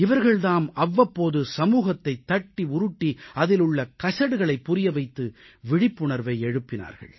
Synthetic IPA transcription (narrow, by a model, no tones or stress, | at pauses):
ɪʋɐɾɣɐɭðaːmɐʋːɐpːoːðɯsɐmuːɣɐt̪ːɐɪt̪ːɐʈːiʊɾʊʈːiɐðɪlɯɭːɐkɐsɐɽɯɣɐɭɐɪpːʊɾɪjɐʋɐɪt̪ːɯ | ʋɪɽɪpːʊɳɐɾʋɐɪɛɻɯpːɪna̰ːɾɣɐ̰ɭ